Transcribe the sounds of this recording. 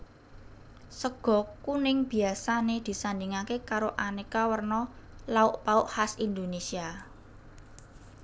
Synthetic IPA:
səɡ̥ɔ̤kunɪŋb̥i̤asaned̪̥i̤sand̪iŋakekaɾoʔanekawərnɔlaʊʔpaʊʔhasind̪onesia

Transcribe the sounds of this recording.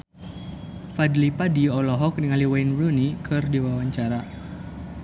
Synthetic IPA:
fadlipadiɔlɔɦɔk̚niŋaliwajnbɾunikʰɨrdiwawaɲt͡ʃaɾa

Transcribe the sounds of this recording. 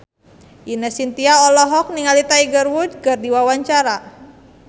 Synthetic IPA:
ʔinəsint̪iaɔlɔɦɔk̚niŋalit̪aiɡərwud͡ʒɡərdiwawaɲt͡ʃaɾa

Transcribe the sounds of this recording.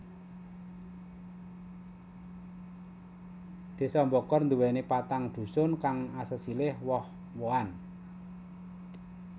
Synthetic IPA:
d̪̥e̤sɔmbɔkɔrnd̪ṳwɛnepat̪aŋd̪̥ṳsʊnkaŋasəsilɪhwɔh | woan

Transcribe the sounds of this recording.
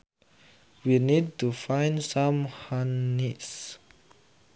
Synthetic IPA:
winid̚tufãj̃ndsãmhanːis

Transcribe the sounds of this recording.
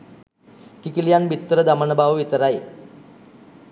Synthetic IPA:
kikilijanbʱit̪ːɾəd̪amənəbaʋʋit̪əɾaje

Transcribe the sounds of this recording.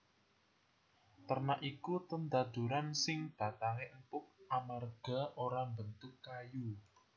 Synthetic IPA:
t̪ərnaʔikut̪ənd̪ad̪̥ṳɾansɪŋd̪̥ä̤t̪aŋeʔmpʊk̚amarɡ̥a̤oɾambənt̪ʊkːaju

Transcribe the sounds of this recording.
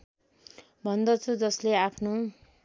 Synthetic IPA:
bʱʌnd̪ʌt͡sʰud͡zʌsleapʰno

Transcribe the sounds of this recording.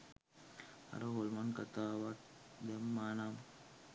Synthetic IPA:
a̰ɾoɦolmankɐt̪aːʋaʈ̚d̪emːanam

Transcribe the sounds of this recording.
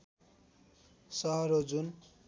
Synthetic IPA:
sʌɦʌɾod͡zun

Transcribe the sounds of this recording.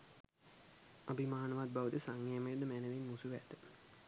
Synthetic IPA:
abimaːnəʋat̪̚baʋəd̪əsaŋːeməjəd̪əmænəʋinmusuʋæd̪ə

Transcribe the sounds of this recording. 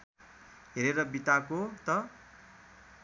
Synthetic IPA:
ɦeɾeɾʌbit̪akot̪ʌ

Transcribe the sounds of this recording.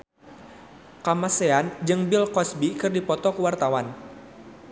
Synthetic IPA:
kamaseand͡ʒɨŋbilkɔsbikɨrdipɔt̪ɔkəwart̪awan

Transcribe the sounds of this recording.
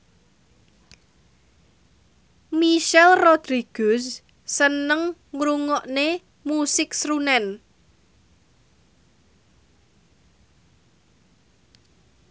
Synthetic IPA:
miʃɛlrod̪̥ɾiɡ̥ʊs | sənəŋŋɾuŋɔʔne | musɪksɾunɛn

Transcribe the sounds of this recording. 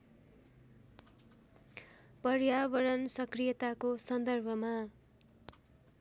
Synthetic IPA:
pʌrjaβʌɾʌnsʌkrijʌt̪akosʌnd̪ʌrbʱʌma

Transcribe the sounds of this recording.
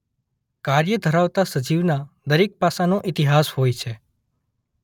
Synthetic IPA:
kaɾjəd̪ʱəɾaʋt̪asəd͡ʒiʋnad̪əɾek̚pasanõʔɪt̪iɦashojt͡ʃʰe

